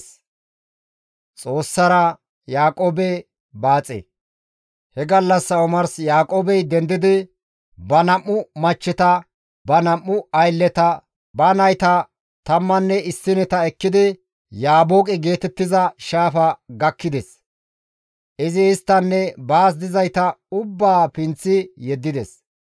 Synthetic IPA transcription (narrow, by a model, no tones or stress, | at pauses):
t͡sʼo̞ːsːɐɾɐ | jaːkʼoːbɛ | baːt͡sʼḛ | hɛɡɐlːɐsːɐʊmɐɾsjaːkʼoːbɛjd̪ɛnd̪ɪd̪ɪ | bɐnɐmːʊmɐt͡ʃːɛt̪ɐ | bɐnɐʔːʊɐjlːɛt̪ɐ | bɐnɐjt̪ɐ | t̪ɐmːɐnːɛɪsːɪnɛt̪ɐɛkːɪd̪ɪ | jaːboːkʼɛɡe̞ːt̪ɛt̪ːɪzɐʃaːfɐɡɐkːɪd̪ɛs | ʔɪzɪɪst̪ːɐnːɛbaːs̬d̪ɪzɐjt̪ɐʊbːaːpɪnt͡sːɪjɛd̪ːɪd̪ɛs